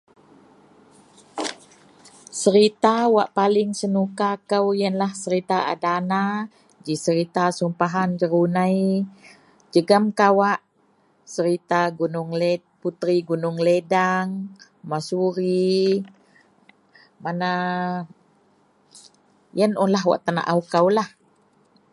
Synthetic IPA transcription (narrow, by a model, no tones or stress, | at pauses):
səɾit̪awaʔpalɪŋsənukakəwjənlahsəɾit̪aa̰dana | d͡ʒisəɾit̪asumpaɦand͡ʒəɾunaj | d͡ʒəɡəmkawaʔ | səɾit̪aɡunʊŋle | put̪ɾiɡunʊŋledaŋ | masuɾi | mana | jənɔnlaɦwa̰ʔt̪ana̰ʔaukawlah